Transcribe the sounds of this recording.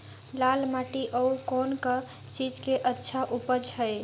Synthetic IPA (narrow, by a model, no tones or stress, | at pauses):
lalmaʈiʔəukonkə | t͡ʃid͡ʒkeʔətːʃʰaʔupəd͡ʒhəj